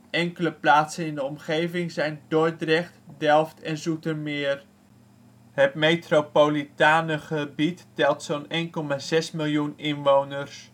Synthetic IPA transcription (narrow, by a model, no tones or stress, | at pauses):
ʔɛŋkələplaːtsənɪndəɔmχejvɪŋzɛjndoɹdrɛχtdɛlˠftɛnzutəɹmɪːr | ɦətmejtropolitaːnəχəbitːɛlˠtsonejnkɔmaːzɛsmɪlˠjunɪnʋownəɹs